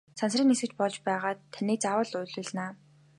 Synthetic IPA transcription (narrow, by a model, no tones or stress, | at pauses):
sʰansriːŋesɘ̆kt͡ɕpɔɮt͡ɕpæːʁaːt̪ʰːæniːk̚t͡sawə̆ɮʊjɮʊ̆ːɮnaː